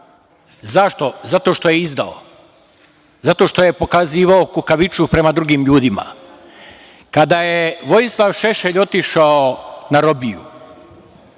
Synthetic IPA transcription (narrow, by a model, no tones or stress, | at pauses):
zaʃt̪o̞zat̪o̞ʃt̪o̞jeizd̪a̰o̰ | zat̪o̞ʃt̪o̞jepo̞kaziːʋaokukaʋit͡ʃupɾe̞mad̪ɾuɡiːmʎuːd̪ima̰ | kad̪ajeʋo̞jislˠaʋʃeʃeʎo̞t̪iʃaonaɾo̞bijṵ